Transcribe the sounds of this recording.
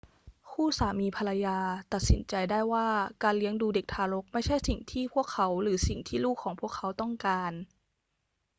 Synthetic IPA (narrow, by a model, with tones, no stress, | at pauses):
kʰuː˥˩saː˩˦miː˧pʰa˧la˧jaː˧t̪a˨˩t̪̚sḭ˨˩˦nt͡ɕa˧jdaː˥˩jwaː˥˩kaː˧nli˦əŋduː˧de˨˩k̚t̪ʰaː˧lo˦˥k̚ma˥˩jt͡ɕʰa˥˩jsi˨˩ŋt̪ʰiː˥˩pʰu˥˩əkʰːa˦˥wɾɯː˩˦si˨˩ŋt̪ʰiː˥˩luː˥˩kʰːɔː˨˩˦ŋpʰu˥˩əkʰːa˦˥wt̪ɔ˥˩ŋkaː˧n